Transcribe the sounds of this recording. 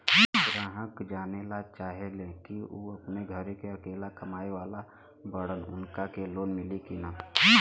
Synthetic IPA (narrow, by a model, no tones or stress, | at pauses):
ɡɾaːɦəkd͡ʒaːnelat͡ʃaːɦelekiuːəpneɡʱəɾekeəkeːlakəmaːeʋaːla | bəɽənʊ̰nkakeloːnmɪlikinaː